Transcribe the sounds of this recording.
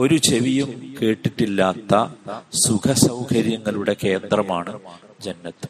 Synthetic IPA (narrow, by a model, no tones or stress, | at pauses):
o̞ɾut͡ɕeʋijumke̞ːʈːiʈːilːaːt̪ːɐsukʰɐsɐwkʰɐɾjɐŋːɐɭuɽe̞ke̞ːnd̪rɐmaːɳɨ | d͡ʑɐnːɐt̪ːɨ̥